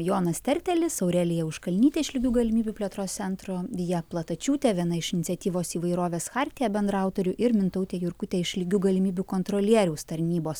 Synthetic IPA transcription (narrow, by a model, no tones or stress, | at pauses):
joːnɐst̪ʲɛɾʲt̪ʲɛlʲɪsɐʊɾʲɛlʲɪjɛʊʃkɐlʲnʲiːt̪ʲɛɪʃʲlʲɪɡʲuːɡɐlʲɪmʲiːbʲupʲlʲɛt̪ɾoːssʲɛnt̪ɾoʋʲɪjɛplˠɐt̪ɐt͡ʃʲuːt̪ʲɛʋʲiɛnɐɪʃɪnʲɪt̪sʲɛt̪ʲiːʋoːsiːʋɐɪɾoːʋʲeːsxɑːɾʲt̪ʲɪjɛbʲɛnd̪ɾɐʊt̪oːɾʲʊʔɪɾmʲɪnt̪ɔʊt̪ʲeːjʊɾkʊt̪ʲɛɪʃlʲɪɡʲuːɡɐlʲɪmʲiːbʲukoːnt̪ɾoːlʲiɛɾʲɛʊst̪ɐɾʲnʲiːboːs